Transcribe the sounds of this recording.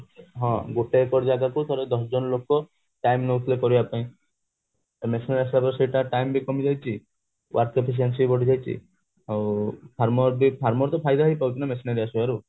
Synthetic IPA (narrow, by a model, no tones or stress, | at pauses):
ɦɔ̃ɡoʈeːkɔɾd͡ʒaɡakut̪ʰɔɾed̪ɔsɔd͡ʒɔnɔlokɔ | ʈajmnɔwt̪ʰilekɔɾibapaĩ | mesinaɾias̬abɔɾsejʈaʈajmbikɔmid͡ʒajt͡ʃʰi | wʔaɾkepʰis̬ens̬ibɔɽʱid͡ʒajt͡ʃʰḭ | apʰaɾmɔɾbipʰaɾmɔɾt̪ɔpʰajd̪aɦɔjpawt͡ʃʰinamesinaɾiasuaɾu